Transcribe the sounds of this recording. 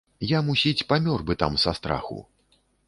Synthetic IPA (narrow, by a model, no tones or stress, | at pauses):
jamusʲit͡sʲpamʲɔrbɨt̪a̰msast̪ɾa̰xṵ